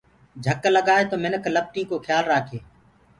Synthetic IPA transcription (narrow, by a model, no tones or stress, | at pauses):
d͡ʒʱəkləɡaːet̪oːmɪnəkləp̚ʈiːkoːxʰjaːlɾaːkʰeː